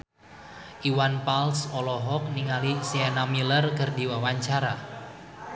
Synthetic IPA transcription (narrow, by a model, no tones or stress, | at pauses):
ʔiwanpalsɔlɔɦɔk̚niŋalisiɛnamilərkərdiwawaɲt͡ʃaɾa